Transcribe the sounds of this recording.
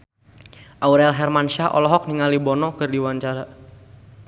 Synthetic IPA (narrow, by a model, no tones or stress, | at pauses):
ʔauɾɛlɦɛrmanʃahʔɔ̰lɔɦɔk̚niŋalibɔnɔkɨrdiwaɲt͡ʃaɾa